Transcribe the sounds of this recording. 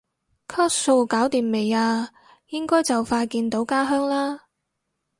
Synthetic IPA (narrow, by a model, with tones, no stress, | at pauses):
kʰɔː˥tso˧wkaː˨˥wt̪iː˨˩mme˨jaː˧ | jɪ˥ŋkɔː˥jt͡sɐ˨wfaː˧jkiː˧nt̪o˨˥wkaː˥ɦœː˥ŋlaː˥